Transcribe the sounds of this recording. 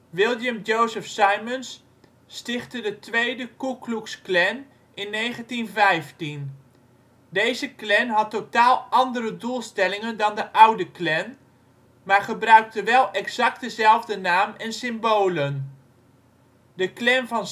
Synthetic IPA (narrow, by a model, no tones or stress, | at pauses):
ʋɪlˠjəmd͡ʒowzəfsajmənsː | tɪχtədətʋejdəkukluksklɛn | ʔɪnːejχəntinvɛjftin | dejzəklɛnɦɑtːotaːlˠʔɑndərədulˠstɛlɪŋəndɑndəʔʌwdəklɛn | maːɹχəbrœɥk̚təʋɛlˠʔɛkzɑk̚t̚dəzɛlˠvdənaːmɛnsɪmbowlən | dəklɛnvɑn